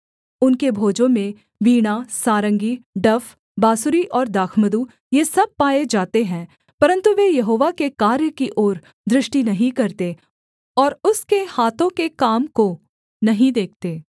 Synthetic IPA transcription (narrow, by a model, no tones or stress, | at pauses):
ʊnkebʱoːd͡ʒõmẽ | ʋiːɽ̃asaːɾə̃ŋɡiɖɐf | baːsuɾiʔɔːɾd̪aːkʰməd̪u | jesɐb̚paːed͡ʒaːt̪eɦɛ̃ː | pɐɾə̃nt̪uʋejɐɦoːʋakekaːɾjəkiʔɔːɾ | d̪ɾɪʃʈinɐɦĩkɐɾt̪e | ɔːɾʊskehaːt̪ʰõkekaːmko | nɐɦĩd̪eːk̚ʰt̪eː